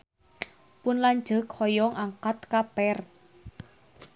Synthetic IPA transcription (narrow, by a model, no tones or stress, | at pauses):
pʊnlaɲ̥d͡ʒə̤khɔjɔŋʔaŋkat̪kapɛr